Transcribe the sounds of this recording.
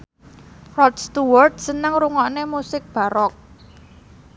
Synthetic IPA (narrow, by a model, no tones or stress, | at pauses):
rɔdst̪uward̚sənəŋɾuŋɔnemusɪk̚b̥a̤ɾɔk̚